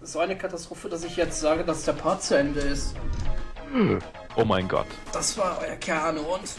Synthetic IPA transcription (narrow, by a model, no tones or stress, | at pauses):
zoːaɪnəkʰatastʁ̥oːfəd̥asɪçjɛt͡stz̥aːɡədasd̥eːɐpʰaɐt̚t͡suɛndəɪst | ʔoːmaɪnɡɔ̰t | d̥asv̥aːɐʔɔ̰ʏɐkʰɛɐnoʊnt